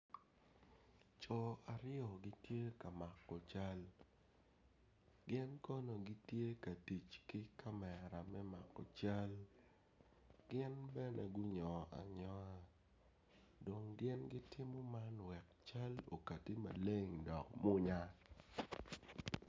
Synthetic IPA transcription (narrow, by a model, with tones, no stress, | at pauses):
t͡ʃɔ˨a˨ɾɪɔ˨ɡi˦tje˦ka˨ma˨kːɔ˨t͡ʃa˦l | ɡɪ˦nkɔ˦no˨ɡi˦tje˦ka˨ti˨t͡ʃkɪ˦kʰa˦mɛ˨ɾa˨mɛ˦ma˨kɔ̰˨t͡ʃa˦l | ɡ̥ɪ˦nbɛ˦nɛ˨ɡʊ˦ɲɔ˨a̰˨ɲɔ˦a˨ | do˨ŋɡɪ˦nɡɪ˦tɪ˦mɔ˦ma˦nwɛ˨k̚t͡ʃa˦lo̰˨ka˨ti˦ma̰˨le˦ŋdɔ˨kmʊ˦ɲa˦